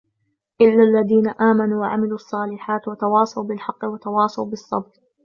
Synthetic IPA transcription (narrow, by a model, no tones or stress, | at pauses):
ʔɪlːaːlːaðiːnaʔaːmanuːwaʕa̰mɪluːʔɑsˤːɑːlɪħaːt̪wat̪ɑwɑːsˤɑwbɪlħɑqːɨwat̪ɑwɑːsˤɑwbɨsˤːɑ̰bq